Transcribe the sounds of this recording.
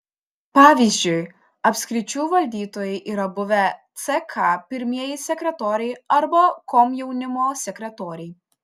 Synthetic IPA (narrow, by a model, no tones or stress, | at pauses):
pɑːʋʲiːzʲd͡ʒʲʊɪ | ɐpʲsʲkɾʲɪt͡ʃʲuːʋɐlʲd̪ʲiːt̪oːjɛɪʔiːɾɐbʊʋʲɛt̪sʲɛkʰɑpʲɪɾʲmʲiɛjɪsʲɛkʲɾʲɛt̪oːɾʲɛɪɐɾbɐkoːmjɛʊnʲɪmoːsʲɛkɾʲɛt̪oːɾʲɛɪ